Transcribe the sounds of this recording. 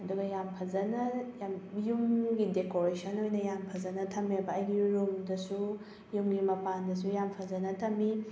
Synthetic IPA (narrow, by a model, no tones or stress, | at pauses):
ɐduɡɐjampʰɐzɐnɐjamjumɡidekoɾesɐnojnɐjampʰɐzɐnɐtʰɐmebɐːjɡiɾumdɐsu | jumɡimɐpandɐs̬ujampʰɐzɐnɐtʰɐmi